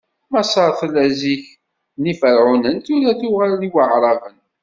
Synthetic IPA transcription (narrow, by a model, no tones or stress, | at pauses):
mæsˤɑɾˤθlæziç | nifəɾʕunənt̪ulæθuʁaɾliwəʕɾˤɑvən